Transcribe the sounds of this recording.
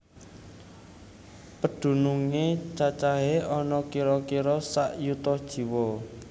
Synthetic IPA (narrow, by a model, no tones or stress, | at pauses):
pəɖ̪̥ṳnuŋet͡ʃat͡ʃaɦeɔnɔkiɾɔkiɾɔsaʔjut̪ɔhd̥ʒ̥i̤wɔ